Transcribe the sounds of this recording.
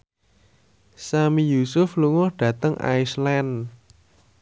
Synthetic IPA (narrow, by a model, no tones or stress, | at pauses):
samijusʊfluŋɔhɖ̥ä̤t̪əŋʔa̰islan